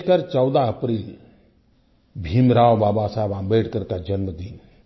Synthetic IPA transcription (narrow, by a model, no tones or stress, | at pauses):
kaɾt͡ʃəwd̪aəpɾiːl | bʱimɾaːwbaːbasaːbãbeːʈkəɾkad͡ʒənməd̪iːn